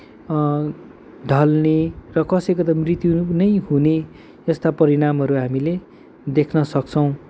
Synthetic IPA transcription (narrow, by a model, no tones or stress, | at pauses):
ɖʱʌlnerʌkʌsʌjkot̪ʌmrit̪junʌjɦune | ʌst̪apʌɾiɽamɦʌɾuɦamile | d̪ekʰnʌsʌk̚t͡sʰʌw̃